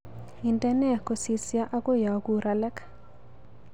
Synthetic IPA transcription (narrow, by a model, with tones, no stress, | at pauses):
i˨ntɛ˦nɛ˦ko˨si˨sja˦ʔa˦ko˦ja˨ɡu˨ɾʔa˨lɛ˦k